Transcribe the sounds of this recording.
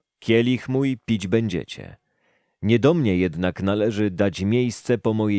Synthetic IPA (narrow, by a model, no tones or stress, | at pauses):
kʲɛlʲixmujpʲid͡ʑbɛɲd͡ʑɛ̰t͡ɕɛ̰ | ɲɛd̪ɔmɲɛjɛd̪naknalɛʐɘd̪at͡ɕmʲjejst̪sɛpɔmɔje